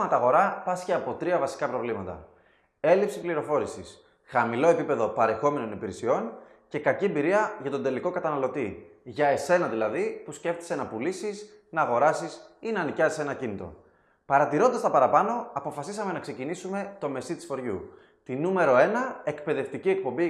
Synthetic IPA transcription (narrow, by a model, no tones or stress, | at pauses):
mɐt̪ɐɣo̞ɾɐpɐsçeɐpo̞t̪ɾiɐvɐsi̥kɐpɾo̞vlimɐt̪ɐ̰ | e̞lipsipliɾo̞fo̞ɾisis | xɐmilo̞e̞pipe̞ðo̞pɐɾe̞xo̞me̞no̞nipiɾesio̞n | ce̞kɐciembiɾiɐʝɐt̪ond̪e̞liko̞kɐt̪ɐnɐlo̞t̪iʝɐe̞se̞nɐðilɐðipusce̞ft̪i̥se̞nɐpulisis | nɐːɣo̞ɾɐsisinɐːnicɐzise̞nɐcinit̪o̞̰ | pɐɾɐt̪iɾo̞nd̪ɐst̪ɐpɐɾɐpɐno̞ɐpo̞fɐsisɐme̞nɐkse̞cinisume̞t̪o̞me̞sit̪i̥sfo̞ɾʝṵ | t̪inume̞ɾo̞e̞nɐe̞kpe̞ðe̞ft̪icie̞k̚po̞mbi